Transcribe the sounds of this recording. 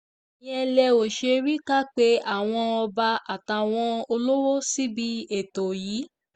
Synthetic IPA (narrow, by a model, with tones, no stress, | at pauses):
ĩ˦ɛ˧lɛ˧o˨ʃe˧ɾi˦ka˦k͡pe˦a˦˨w̃ɔ̃˧ɔ˧ba˧a˨ta˧w̃ɔ̃˧o˧lo˦wo˦si˦bi˦e˦˨to˨jiː˨˦